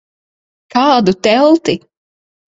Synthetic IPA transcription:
kaːd̪ut̪ɛlˠt̪i

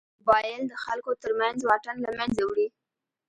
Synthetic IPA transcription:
bɑjɪld̪əxalkot̪əɾmanzwɑʈanlamanzawɽi

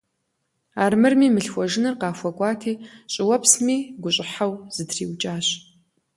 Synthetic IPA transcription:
aːrmɨrmiːmɨɬxʷɔʒɪnɨrqɑːxʷɔkʷʼɑːtʰiːɕʼɪwɐpsmiːɡʷʊɕʼɪħawz̥ɨdrḭːwt͡ʃʼaːɕ

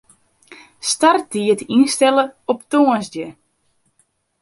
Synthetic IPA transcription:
startiətinstɛləɔptoənzdjə

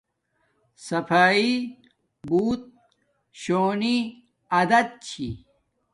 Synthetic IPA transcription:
sɐfaːi | buːt̪̚ | ɕoːni | ɐd̪ɐd̪̚t͡ɕʰḭ

